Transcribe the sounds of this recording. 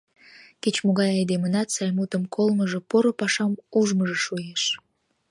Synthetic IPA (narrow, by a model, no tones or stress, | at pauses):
ket͡ɕmoɣɑjɑjd̪emənɑt̪sɑjmut̪əmkʰolməʒĕpoɾopɑʃɑmuʒməʒĕʃujeʃ